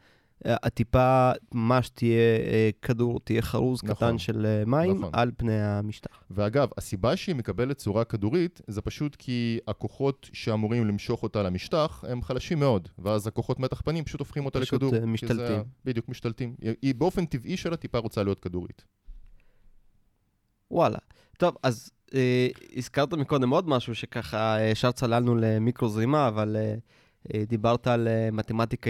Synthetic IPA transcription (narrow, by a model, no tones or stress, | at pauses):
at̪ipamaʃt̪ijekʰaduʁt̪ijeχaʁuznkaχanʃelemaim̰na̰lpnejamiʃtaχveaɡavasibaʃeimekabelet̚t͡suʁakaduʁitze̞paʃutkʰiako̞χo̞tʃe̞amuʁimlimʃo̞χo̞talamiʃtaχe̞mχalaʃimːeo̞dveazhako̞χo̞tme̞taχpanimpḁʃutofχimot̪alkdumiʃalt̪ibid̪jukmiʃt̪altimibeo̞fe̞nt̪iviʃelatipaʁo̞t͡salijo̞t̚kaduʁḭt | wʔala̰ | t̪o̞vaz | eizkaʁt̪amiko̞d̪emo̞d̪maʃuʃekaχaʃaʁt͡salalnulemikʁozimaːvale | d̪ibaʁt̪aːlemat̪emat̪ik